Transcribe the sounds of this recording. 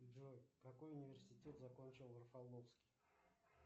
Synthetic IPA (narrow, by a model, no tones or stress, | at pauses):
ʒojkako̞junʲivʲersʲɪtʲe̞t̪zako̞nʲt͡ʃɪlˠərfalˠnofskʲij